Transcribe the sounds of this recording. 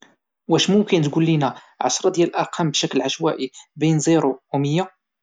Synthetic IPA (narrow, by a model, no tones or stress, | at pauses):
wæʃmʊmkənt̪ɡulːinæ | ʕɑ̰ʃɾˤɑd̪jæləlʔɑɾqʰɑmbʃæklʕaʃwæʔibinzˤiɾuuməjːa